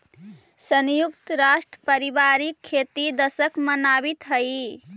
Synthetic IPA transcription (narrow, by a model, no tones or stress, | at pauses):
sənjukt̪ɾasʈəpəɾibaɾikʰːet̪id̪əsəkmənabit̪ɦəj